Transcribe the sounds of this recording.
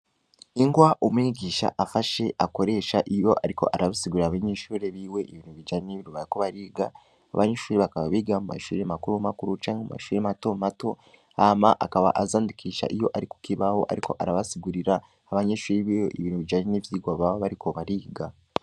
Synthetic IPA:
iŋɡwaʔomiɡiːʃa̰ʔafaʃe̞ʔako̞ɾe̞ːʃaʔijo̞ʔaɾiko̞̰ʔaɾaβasiɡuɾiɾaβeɲeːʃuːɾe̞βiːwe̞ʔiβiːnhuβid͡ʒaɲeneβiɾuβajako̞βaɾiːɡa̰ː | βaɲeʃuːɾe̞βakaβaβiːɡamuma̰ʃuːɾemakuɾumakuɾut͡ʃaːɲemuma̰ʃuːɾemato̞mato̞ | amaʔakaβaʔazaːndikʰiːʃa̰ʔijo̞ʔaɾiku̥kiβaho̞ʔa̰ɾikʰo̞ʔaɾaβasiɡuɾiɾaː | βaɲeʃuːɾeβiweʔiβiːnhuβid͡ʒaːɲenivjiːɡwaβaβaβaɾiko̞βaɾiːɡa

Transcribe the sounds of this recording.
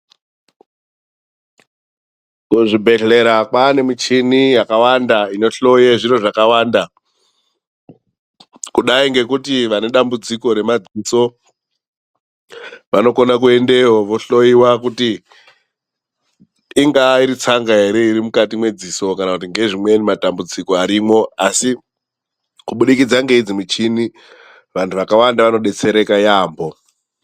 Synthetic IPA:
kuʐibʱe̞ɬe̞ɾakwane̞mit͡ʃinijakawandaino̞ɬo̞jeʐiɾoʐakawaːnda | kuɗaiŋɡe̞kutiʋane̞ɗambud͡ziko̞ɾe̞mad͡ziso̞ | ʋano̞ko̞nakue̞nde̞ɦoʋo̞ɬo̞iwakuti | ŋɡaiɾit͡saŋɡaɦe̞ɾe̞iɾimukatimwe̞d͡ziso̞kanakut̬iŋɡe̞ʐimwe̞nimatambud͡ziko̞aɾiːmo̞asi | kuɓuɗikid͡zaŋɡe̞id͡zimut͡ʃini | ʋantʰuʋakawandaʋano̞ɗe̞t͡se̞ɾe̞kajaːmbo̞

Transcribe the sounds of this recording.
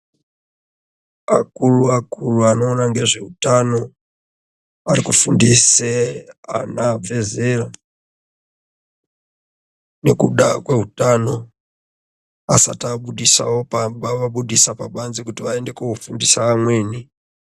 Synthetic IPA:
akuruakuluano̞ːnaŋɡe̞ʐe̞utano̞ | arikufundisea̰nab͡ve̞zera | ne̞kuɗakwe̞ɦutano̞ | asa̰taɓuɗisa̰wo̞pambaʋaɓuɗisapaɓanzikutiʋae̞nde̞koufundisaːmwe̞ːni

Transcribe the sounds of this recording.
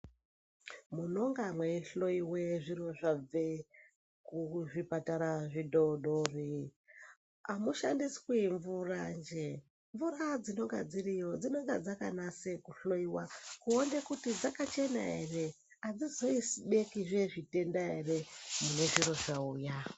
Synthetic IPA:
muno̞ŋɡamwe̞ɬo̞iwe̞ʐiɾo̞ʐab͡ve | kuʐipataɾaʐidʱoɗori | amuʃandiskwiɱvurand͡ʒe | ɱvurad͡zino̞ŋɡad͡zirijo̞d͡zino̞ŋɡad͡zakanase̞kuɬo̞iwakuondekutid͡zakat͡ʃe̞na̰ere̞ | ad͡zizo̞isiɗe̞kiʐe̞ʐite̞ndaere̞mune̞ʐiro̞ʐauːja

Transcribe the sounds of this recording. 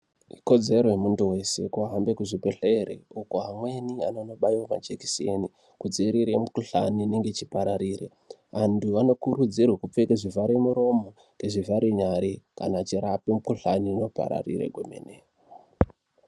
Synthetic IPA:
iko̞d͡ze̞ɾojemuntuwe̞se̞̰kuaɦambe̞kuʐipeɬeɾḛukoɦamwe̞nianono̞ɓaiwama̰t͡ʃeki̥sieni | kud͡ziɾiɾemukuɬaniːneŋɡe̞t͡ʃipaɾaɾiːrḛ | ʋantuʋano̞kuɾud͡zirwakup͡fekeʐivaɾemuɾo̞mo̞ | keʐivaɾiɲaɾeka̰nat͡ʃiɾapemukuɬanino̞pa̰ɾa̰rḭɾḛɡʱomḛne

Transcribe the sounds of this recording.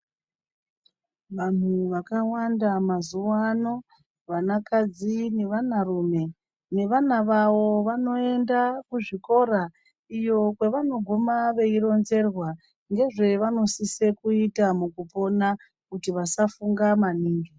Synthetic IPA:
ʋan̤uʋakawandamazuwano̞ | ʋanakad͡zine̞ʋanarume̞ | ne̞ʋanaʋaʋo̞ʋano̞e̞ndakuʐiko̞ɾa | ijo̞kwe̞ʋano̞ɡʱumaʋe̞iɾo̞nze̞rwa | ŋɡe̞ʐe̞ʋano̞sise̞kuitamukupo̞na | kutiʋasafuŋɡamaniːŋɡi

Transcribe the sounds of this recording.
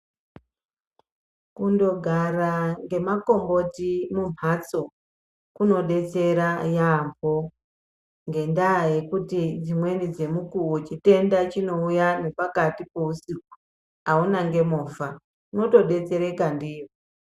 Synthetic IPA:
kundo̞ɡʱaraŋɡe̞makombo̞timumat͡so̞ | kuno̞ɗe̞t͡se̞ɾajambʱo̞ | ŋɡe̞ndaːje̞kutid͡zimwe̞nid͡ze̞mukuut͡ʃite̞ndat͡ʃino̞ujane̞pakatipo̞usik̚u̥ | aunaŋɡe̞moːfa | kuno̞to̞ɗe̞t͡se̞ɾe̞kandiːʋo

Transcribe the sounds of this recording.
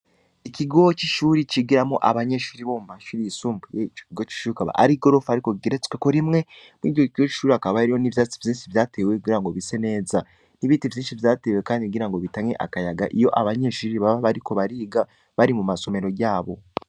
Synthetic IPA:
ikiɡo̞t͡ʃiʃuːɾit͡ʃiɡiɾamoʔaβaɲe̞ʃuːɾiβo̞mumaʃuːɾiisuːmbujeit͡ʃo̥iɡot͡ʃi̥ʃuɾikaβa̰ʔa̰ɾiɡo̞ɾo̞faɾikoɡiɾet͡skwekoɾimŋe̞ | mwḭɟoikiɡo̞t͡ʃi̥ʃuːɾiakaβaeɾijoniβjat͡sivjiːnʃivjaːtʰewekuɡiɾaŋɡo̞βise̞ne̞ːza | niβiːtivjiːnʃivjaːte̞ːwe̞kaːndikuɡiɾaŋɡo̞βitaɲe̞̰ʔa̰kajaɡaʔijo̞ʔaβaɲe̞ʃuːɾiβaβaβaɾiko̞βaɾiːɡa | βaɾimumaso̞me̞ɾo̞ɟaːβo̞̰

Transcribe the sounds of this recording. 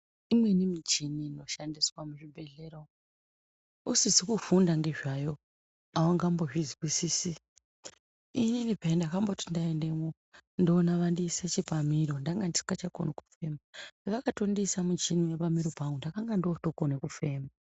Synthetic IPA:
imwe̞nimit͡ʃinino̞ʃandiswamuʐibʱe̞ɮeɾo | usizikufundaŋɡe̞ʐajo̞ | awaŋɡamboʐizwisiːsi | ininipaindakambotindaende̞mo | ndoːnaʋandiːset͡ʃipamiɾo̞ndaŋɡandisi̥kat͡ʃakoneku̥fe̞maeʋakatondisamut͡ʃiniwepamiɾopaŋɡundakaŋɡandoto̞konekufe̞ːma

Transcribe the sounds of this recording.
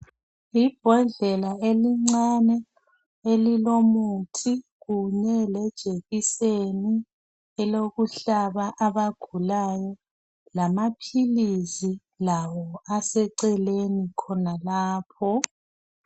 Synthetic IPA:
ib̥ʱɔnd͡ɮʱɛlaeliŋ͡ǀanɛ | elilomutʰiɣuɲɛlɛd̥ʒ̥ʱeɣiseni | ɛloɣuɬaβaʔaβaɡ̥ʱulajɔ | lamapʰilizi | lawɔasɛǀɛlenikʰɔnalaːpʰɔ

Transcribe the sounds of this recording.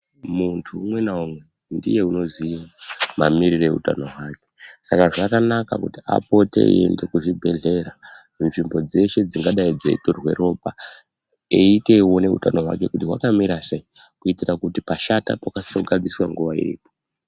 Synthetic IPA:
muntʰuːmwe̞naumwe̞ | ndḭje̞uno̞ziwama̰miɾireeuta̰no̞ɦwaːke̞̥sakaʐakanaka̰kutia̰po̞te̞̰ḭḛnde̞kuʐibʱe̞ɮe̞ɾa | unʐimbo̞d͡ze̞ʃe̞d͡ziŋɡaɗaid͡zeitorwe̞̰ro̞pa | eite̞wo̞ne̞ṵtano̞ɦwa̰ke̞kutiɦwakamiɾasei | kuitirakutipaʃata̰pakasirouɡʱad͡ziswaŋɡuʋaḭrḭːpo̥

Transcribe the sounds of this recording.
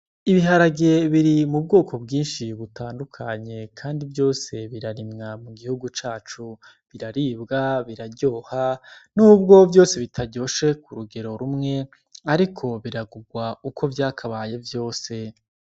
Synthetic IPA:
iβiɦaɾaɡeβiɾimub̚ɡo̞ːko̞bɡiːnʃiβutaːndukʰaɲe̞kʰaːndivjo̞ːse̞βiɾaɾimŋamuɡihuɡut͡ʃaːt͡ʃu | βiɾaɾiːbɡaβiɾaɾɟo̞ːhanuːb̚ɡo̞vjo̞ːse̞βitʰaɟo̞ːʃe̞kuɾuɡe̞ɾo̞ɾumŋe̞ | aɾikʰo̞βiɾaɡuɡwaukʰo̞vjaːkʰaβaːje̞vjo̞ːse̞

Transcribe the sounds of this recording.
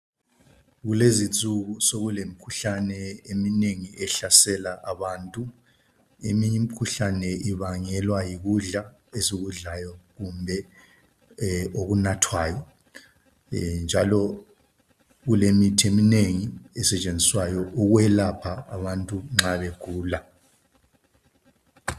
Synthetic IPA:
ɣulezit͡sʼuɣusoɣulemikʰuɬanɛemineŋiɛɬasɛlaʔaβaːntʼu | ḛmiɲimikʰuɬanɛiβaŋɛlwajiɣuɮa | esiɣuɮajɔɣumbʱɛ | oɣunatʰwaːjɔ | nd͡ʒʱalɔ | ɣulemitʰiemineŋiɛsɛt͡ʃʼend͡zʱiswajɔʔuɣwɛlapʰaːβantʼuŋ͡ǁaβɛɡ̥ʱuːla

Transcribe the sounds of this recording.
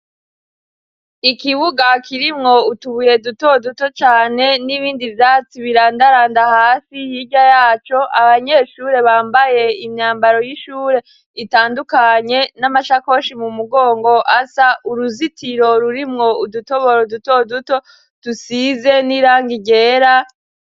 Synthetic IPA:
ikiβuɡakʰiɾimŋo̞utuβuje̞duto̞duto̞t͡ʃaːne̞niβiːndivjaːt͡siβiɾaːndaɾaːndahaːsijiɟajaːt͡ʃo̞ʔaβaɲe̞ːʃuːɾe̞βaːmbaje̞imɲaːmbaɾo̞jiʃuːɾe̞ | itaːndukaɲe̞namaʃako̞ʃimumuɡo̞ːŋɡo̞ʔasaʔuɾuzitʰiɾo̞ɾuɾimŋo̞uduto̞βo̞ɾoduto̞duto̞ | tusize̞niɾaːŋɡiɟe̞ːɾa

